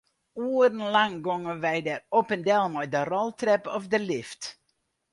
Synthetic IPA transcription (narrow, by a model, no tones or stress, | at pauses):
uːərənlaŋɡoŋəʋɛjdɛropəndɛlˠmɔjdərɔlˠtrɛpɔfdəlɪft